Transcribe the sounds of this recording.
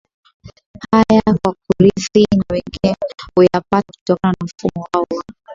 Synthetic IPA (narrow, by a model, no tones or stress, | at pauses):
hajakwak̚uɾiθinawɛŋɡinɛhujapataku̥tɔkananam̩fumɔwaɔwa